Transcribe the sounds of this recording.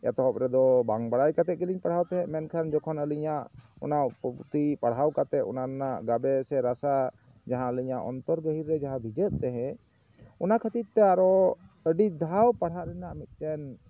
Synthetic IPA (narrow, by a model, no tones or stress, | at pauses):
ɛ̰t̪ɔɦɔpɾɛd̪ɔbaŋbaɽajkat̪ɛt̪̚kəliɲpaɽ̤awt̪ɛɦɛ̃mɛnkʰand͡ʒɔkʰɔnəliɲaʔɔ̰napuut̪ipaɽ̤ɦawkat̪ɛʔ̪ɔnaɾnaʔɡabɛsɛɾasa | d͡ʒaɦãəliɲaʔɔ̰nt̪ɔɾɡəɦiɾːɛd͡ʒaɦãbʱid͡ʒət̪̚ˀt̪ɛɦɛ̃ | ɔnakʰət̪it̪̚t̪ːɛaɾɔəɖid̪ʱawpaɽ̤ɦaʔɾɛnaʔmit̪̚tɛn